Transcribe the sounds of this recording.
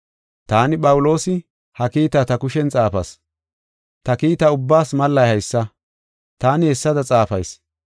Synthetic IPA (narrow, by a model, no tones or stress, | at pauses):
t̪aːnɪpʼɐwʊlo̞ːsɪ | hɐkiːt̪ɐt̪ɐkʊʃɛnt͡sʼaːfɐ̰s | t̪ɐkiːt̪ɐʊbːaːsmɐlːɐjhɐjsːɐ | t̪aːnɪɛsːɐd̪ɐt͡sʼaːfɐjs